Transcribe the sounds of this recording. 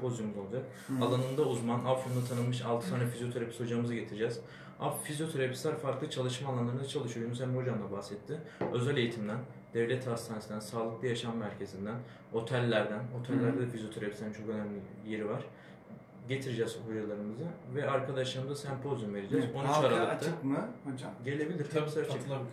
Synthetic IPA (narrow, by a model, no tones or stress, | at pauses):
pʰo̞zjumuzolˠd͡ʒak | alˠanɯnd̪auzmanʔafond̪at̪ʰanɯlˠmɯʃalˠt̪ʰɯ̥t̪ʰaːnɛfizjo̞t̪ʰeɾapʰi̥siho̞d͡ʒamɯzɯɟe̞t̪ʰiɾid͡ʒɛz̥ | a̰fizjo̞t̪ʰeɾapʰi̥slʲæɾfaɾklˠɯt͡ʃʰalˠɯʃmaːlˠanlˠaɾɯnd̪at͡ʃʰalˠɯʃɯjojnuzhænbiho̞d͡ʒamd̪ˠabahsɛt̪ʰːɪø̞zælʲe̞jit̪ʰimd̪æn | d̪̥evlʲɛt̪ʰast̪ʰanesnd̪ænsaːlˠɯk̚lˠajaʃamːæɾcʰe̞zind̪æn | ho̞t̪ʰælʲːæɾd̪ænho̞t̪ʰælʲːæɾd̪ɛd̪ɛfizijo̞t̪ʰeɾapʰisʲæint͡ʃʰo̞kø̞næmlʲije̞ɾivaɾ̥ | ɟe̞t̪ʰiɾid͡ʒɛzho̞d͡ʒalˠaɾɯmɯzɯvɛaɾkʰad̪aʃlˠaɾmzasænpʰo̞zymve̞ɾid͡ʒɛzont͡ʃ̪aɾalˠɯt̪ʰɯkmɟe̞lʲe̞bilʲiɾt̪ʰabisaɾ